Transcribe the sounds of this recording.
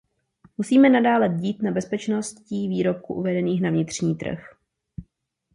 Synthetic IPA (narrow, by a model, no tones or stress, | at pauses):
musiːmɛnadaːlɛɟiːt̪nabɛspɛt͡ʃnost̪ciːviːɾo̞p̚kuʔuvɛdɛniːxnavɲɪt̪r̝̥ɲiːt̪r̩̰x